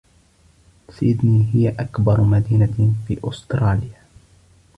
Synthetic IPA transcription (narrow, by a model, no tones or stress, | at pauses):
sajɪd̪niːɦɪjaʔakbɑɾˤmad̪iːnafiːʔʊst̪ɾˤɑːlja